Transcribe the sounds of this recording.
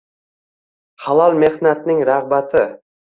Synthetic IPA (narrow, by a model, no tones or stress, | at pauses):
χalˠɒlˠme̞hnat̪nɪŋɾaʁbat̪ʰɪ